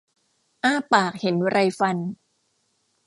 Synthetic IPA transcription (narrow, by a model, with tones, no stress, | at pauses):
ʔaː˧˥˩paː˨˩k̚he˩˦nɾa˧jfa˧n